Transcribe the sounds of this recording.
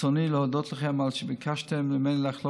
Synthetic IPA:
ɔniːlˠəhɔdɔtʰlˠəχamalˠʃɪbəkʰaʃtəmləmɛɪnlˠaχlˠo

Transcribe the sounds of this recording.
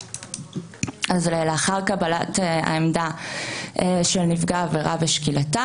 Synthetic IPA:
ʔazleleaχaʁkabalata̰emda | ʃelnifɡaːveʁaveʃkilata

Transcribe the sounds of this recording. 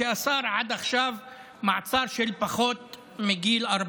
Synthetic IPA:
eʔasɑːɾˤʕad̪axʃav | maʕt͡sɑːɾˤʃelpaxoːt̪ | mɪɡiːlʔɑɾˤb

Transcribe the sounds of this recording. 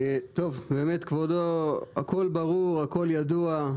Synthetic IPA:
t̪ovbeːmet̪kvodoa̰kolbaʁuʁako̞ljad̪ua

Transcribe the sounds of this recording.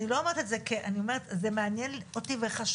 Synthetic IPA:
nilo̞ameʁet̪etzekeʔanio̞meʁet̪zemeanjenlotiveχaʃ

